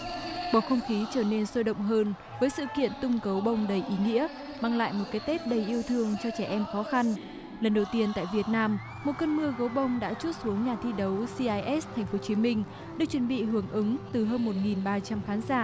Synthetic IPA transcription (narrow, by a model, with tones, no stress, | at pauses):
ɓɔ˨˩xə˧wŋ͡mxi˨˦t͡ɕəː˧˩ne˧nsəː˧ɗə̰˧˨wŋ͡mɦəː˧n | vəː˨˦jsɨ̰˧˨kḭ˧˨ənt̪ʊ˧ŋ͡mkə˨˦wɓə˧˩wŋ͡mɗə˨˩jʔi˨˦ŋḭ˧˥ə | maː˧ŋla̰ː˧˨jmo˨˩kaː˨˦jt̪e˦˥p̚ɗə˨˩jʔi˧əwt̪ʰɨ˧əŋt͡ɕɔ˧t͡ɕɛ˧˩ʔɛ˧mxɔ˨˦xa˧n | lə˨˩nɗə˨˩wt̪i˧ənt̪a̰ː˧˨jvi˨˩ət̚naː˧m | mo˨˩t̚kəː˧nmɨ˧əɣə˨˦wɓə˧˩wŋ͡mɗa̰ː˧˥t͡ɕu˦˥t̚su˨˦əŋɲaː˨˩t̪ʰi˧ɗə˨˦wsi˧ʔaː˧jʔɛ˦˥st̪ʰɛ˨˩ŋ̟fo˨˦t͡ɕi˨˦mï˧ŋ̟ | ɗɨː˨˩k̚t͡ɕwə˧˩nɓḭ˧˨hɨ˨˩əŋʔɨ˨˦ŋt̪ɨ˨˩ɦəː˧nmo˨˩t̚ŋi˨˩nɓaː˧t͡ɕa˧mxaː˨˦nzaː˧˩˨